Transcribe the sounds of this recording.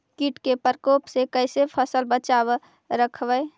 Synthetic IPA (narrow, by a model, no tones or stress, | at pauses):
kiʈkepəɾkoːpsekəɪsepʰəsəlbət͡ʃab | ɾəkʰbəɪ